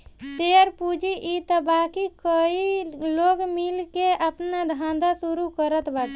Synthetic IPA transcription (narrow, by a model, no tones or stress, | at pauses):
t̪eəɾpud͡ʒiʔit̪əbakikəiloɡmilkeəpnad̪ʱãd̪asuɾukəɾət̪ʰbat̪